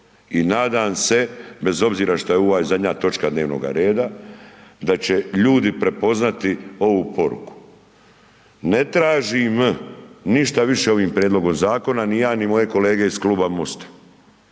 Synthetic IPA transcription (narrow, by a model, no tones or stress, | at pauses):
inaːd̪aːmse̞be̞zo̞bziːɾaʃt̪ojeoʋazad̪ɲat̪o̞t͡ʃkad̪neːʋno̰ɡa̰ɾe̞ːd̪a | d̪at͡ɕe̞ʎuːd̪ipɾe̞po̞znat̪io̞ʋuːpo̞ɾṵku̥ | ne̞t̪ɾaːʒim | niʃt̪aʋiʃe̞o̞ʋiːmpɾjed̪lˠo̞ɡo̞mzaːko̞nanijaːnimo̞je̞ko̞le̞ːɡe̞iskluːbamost̪ḁ